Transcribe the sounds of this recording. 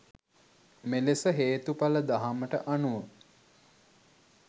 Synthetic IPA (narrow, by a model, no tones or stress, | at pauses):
melesəɦeːt̪upaləd̪aɦaməʈə̰ʔanuʋə